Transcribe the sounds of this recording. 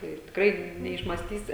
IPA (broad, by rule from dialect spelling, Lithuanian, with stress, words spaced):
ˈɪr tʲɪkˈrɐɪ nʲɛɪʃmɑːsʲˈtʲiːsʲɪ